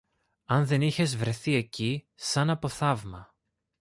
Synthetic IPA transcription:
ɐnðe̞niçe̞zvɾe̞θie̞ci | sɐnɐpo̞θɐvmɐ

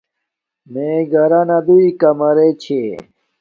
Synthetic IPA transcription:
meɡɐɾanad̪uikɐmɐɾet͡ɕʰe

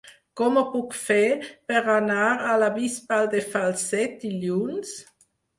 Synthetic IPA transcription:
kɔməpukfɛpəɾanaːɾalabispald̪efalsːɛt̪̚iljuns

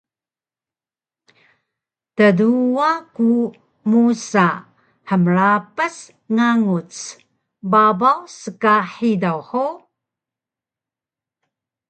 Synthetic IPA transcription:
təduaku | musa | ħəmɾapəs | ŋaŋut͡s | babawsəkaħidawħu

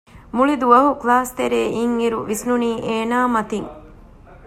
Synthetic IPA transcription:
muɭid̪uʋɐɦuklaːst̪eɾeːʔiŋiɾṵʋisnuniːʔeːnaːmɐt̪iŋ

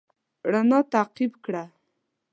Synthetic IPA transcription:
ɽanɑt̪aqibkɽa

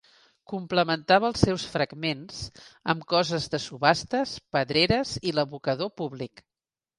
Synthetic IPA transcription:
kumpləmənt̪aβəːlˠsɛwsfɾəɡmenzə̰mkɔzəzðəsuβast̪əspəðɾeɾəziləβukəðopuβlik

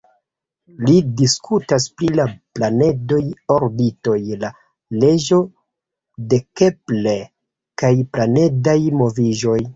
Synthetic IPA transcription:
lidiskʰutasplilaplane̞do̞joɾbito̞jla | le̞ʒo̞ | de̞ke̞ple̞ | kajplane̞dajmo̞viʒo̞j

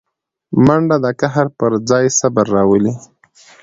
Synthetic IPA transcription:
maɳɖad̪akaɦaɾpəɾd͡zɑjsabaɾːɑwəli

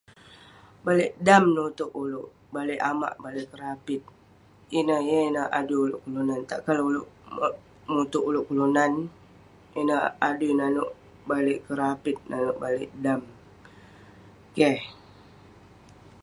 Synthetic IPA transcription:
baleʔdamnut̪ʊʔulʊʔ | baleʔama̰ʔbaleʔkəɾapɪt̪̚ | inəjəinəa̰duulʊʔkulunant̪a̰ʔkalulʊʔ | mut̪ʊʔulʊʔkulunan | inəadunanʊʔ | baleʔkəɾapɪt̪̚nanʊʔbalɪ̰ʔdam | keh

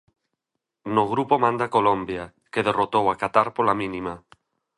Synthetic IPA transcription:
noɣ̞ɾupomãnd̪akolõmbja | keð̞erot̪owakat̪aɾpolamĩnima

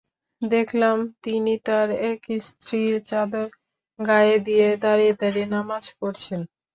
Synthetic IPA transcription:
d̪ekʰlamt̪init̪aɾɛkist̪ʰɾiɾt͡ɕad̪oɾ | ɡajed̪ijed̪aɾied̪aɾinamad͡ʑkoɾt͡ɕʰen

